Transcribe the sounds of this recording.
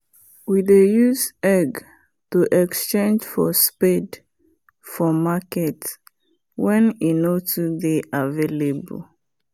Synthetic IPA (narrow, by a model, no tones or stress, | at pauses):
widejuzɛɡ | tuʔɛkst͡ʃẽnd͡ʒfɔspɛd | fɔmakɛt | wɛ̃ninotuðeʔavelebo̰